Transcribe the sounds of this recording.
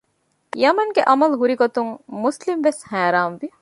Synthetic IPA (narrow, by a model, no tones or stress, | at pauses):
jɐmɐŋɡeʔɐmɐlɦuɾiɡot̪uŋmuslimʋeshæːɾaːmʋi